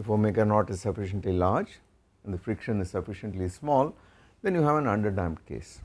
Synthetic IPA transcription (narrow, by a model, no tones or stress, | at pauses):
ɪfomeːkəɾnɔːʈɪzsʌfɪʃə̃ɳʈlilaːɾd͡ʒ | æ̃ɳd̪əfɾɪkʃə̃nɪzsʌfɪʃə̃ɳʈlismɔːl | d̪ɛ̃njuɦæʋæ̃nʌ̃ɳɖəɾɖæ̃ɪmɖkḛːs